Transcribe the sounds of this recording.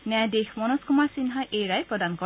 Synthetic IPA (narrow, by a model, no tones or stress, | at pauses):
nɛadexmɔnɔskʊmaɹsinɦaʔejɹajpɹɔdankɔ